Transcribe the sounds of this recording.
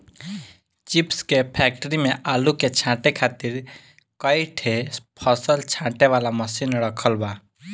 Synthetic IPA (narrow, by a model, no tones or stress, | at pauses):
t͡ʃipskepʰɛk̚ʈəɾimẽʔaːluket͡ʃʰãʈekʰaːt̪iɾ | kəjʈʰepʰəsəlt͡ʃʰãʈeʋalaməsinɾəkʰəlba